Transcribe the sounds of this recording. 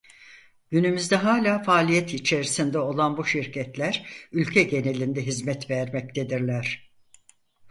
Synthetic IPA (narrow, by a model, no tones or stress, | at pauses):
ɟ̥ynymyzd̪ɛɦaːlʲaːfaːlʲijɛt̪it͡ʃʰe̞ɾisind̪ɛo̞lˠanbuʃiɾcʰɛt̪lʲæɾylʲcʰɛɟe̞ne̞lʲind̪ɛɦizmɛt̪vɛɾmɛc̚t̪ʰed̪iɾlʲæɾ̥